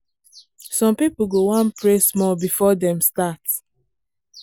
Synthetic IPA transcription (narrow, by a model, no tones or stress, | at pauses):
sɔ̃mpipuɡowãnpɹesmɔlbifɔdɛ̃mstat